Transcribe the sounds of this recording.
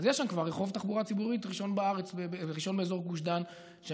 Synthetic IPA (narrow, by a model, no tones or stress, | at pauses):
zjeʃamkvaʁeχo̞vt̪aχbuʁat͡sibuʁitʁiʃo̞nbeaʁet͡sbebeʁiʃo̞nbeezo̞ʁɡuʃd̪an | ʃe